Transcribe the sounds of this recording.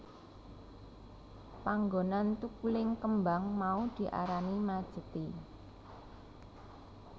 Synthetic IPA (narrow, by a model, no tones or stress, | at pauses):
paŋɡonant̪ukulɪŋkəmbaŋmaud̪̥i̤ʔa̰ɾanimad̥ʒ̥ə̤t̪i